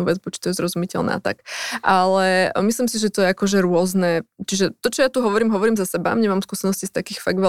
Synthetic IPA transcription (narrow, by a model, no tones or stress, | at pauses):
uːʋɛd͡zbɔt͡ʃi̥t̪ɔjɛzɾɔzumicɛ̰lna̰a̰t̪a̰kʔalɛmislimsiʒɛt̪ɔjɛakɔʒɛɾʊɔznɛt͡ʃiʒɛt̪ɔt͡ʃɔjat̪uɦɔʋɔɾiːmɦɔʋɔɾiːmzasɛba̰mɲɛmaːmskuːsɛnɔscist̪akiːxfaɡʋɛ